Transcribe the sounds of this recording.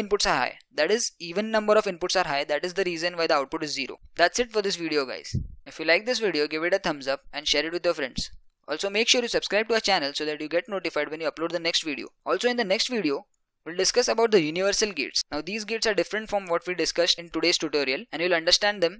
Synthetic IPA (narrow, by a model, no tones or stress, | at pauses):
ɪ̃npʊʈsaɾɦa̰ɪd̪æʈɪziːʋə̃nːʌ̃mbəɾɔfɪ̃npʊʈsaɾɦaɪd̪æʈɪzd̪əɾiːzə̃nʋaɪd̪əaʊʈ̚pʊʈɪzːiːɾo̰ːd̪æʈsɪʈfɔɾd̪ɪs̬ʋiɖioɡa̰ɪz̥ɪfjuːlaɪk̚d̪ɪs̬ʋiɖioːɡɪʋɪʈət̪ʰʌ̃mzʌp̚ɛ̃ɳɖʃɛːɾɪʈʋɪd̪jɔːɾfɾɛ̰̃ɳɖsʔɔ̰ːlsomeːkʃuːɾjuːsɐb̥skɾaɪb̚ʈuət͡ʃænəlsoːd̪æʈjuːɡɛʈnoːʈɪfaɪɖʋɛ̃njuɐploːɖd̪ənɛksʈʋiɖḭo̰ːɔːlsoːɪ̃nd̪ənɛksʈʋiːɖio | jilɖɪskʌsəbaʊʈ̚d̪əjuːniʋəɾsəlɡɪ̰ʈsnaʊd̪iːzɡɪʈsaːɾɖɪfɾə̃ɳʈfɾɔ̃mʋɔʈʋiːɖɪskʌsɪ̃nʈʊɖeːz̥ʈuʈoːɾiəlɛ̃ɖjilɐ̃ɳɖəɾsʈæ̃ɳɖd̪ɛ̃m